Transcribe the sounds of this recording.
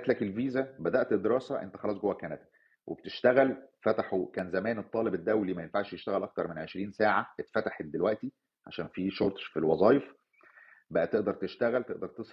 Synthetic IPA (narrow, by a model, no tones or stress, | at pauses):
æt̪lækelviːzæbæd̪æʔt̪ed̪ːeɾˤɑːsæʔḛnt̪æ̥xɑlɑːs̬ˤɡowːækːænæt̪æ̥ | wʔḛbt̪eʃt̪æɣælfæt̪aħukæːnzæmæːnet̪ˤːɑːlebed̪ːæwlimæjenfaʕʃjeʃt̪æɣælʔɑk̚t̪ɑɾˤmenʕeʃɾiːnsaːʕaet̪fæt̪aħet̪̚d̪elwæʔt̪i | ʕa̰ʃæːnfiːʃoɾt̪ˤfilwɑzˤɑːjef | bæʔæt̪eʔd̪ɑɾˤt̪eʃt̪æɣælt̪eʔd̪ɑɾˤt̪esˤ